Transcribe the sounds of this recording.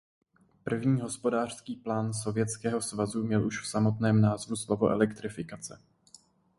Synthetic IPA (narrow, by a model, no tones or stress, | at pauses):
pr̩vɲiːɦo̞spo̞daːr̥skiːplaːnso̞vjɛt͡skɛːɦo̞svazumɲɛlʔuʃfsamo̞t̪nɛːmnaːzvuslo̞vo̞̰ʔɛ̰lɛkt̪ɾɪfɪkat͡sɛ